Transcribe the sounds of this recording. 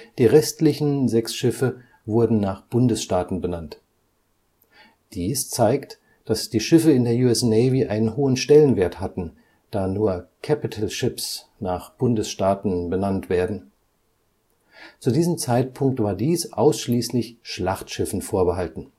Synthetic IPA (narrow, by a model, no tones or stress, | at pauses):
d̥iːʁɛstlɪçn̩zɛksʃɪfə | vʊɐdn̩naːχb̥ʊndəsʃtaːtn̩bənant | d̥iːst͡saɪkt | d̥asd̥iːʃɪfəɪndeːɐjuɛsnɛɪviʔaɪnənɦoːənʃtɛlənveːɐthatn̩ | d̥aːnuːɐkʰapitʰəlʃɪps | naːχb̥ʊndəsʃtaːtn̩bənantv̥eːɐdn̩ | t͡sudiːzəmt͡saɪt̚pʰʊŋk̚tv̥aːɐdiːsʔa̰ʊsʃliːslɪçʃlaχtʃɪfn̩foːɐbəɦaltn̩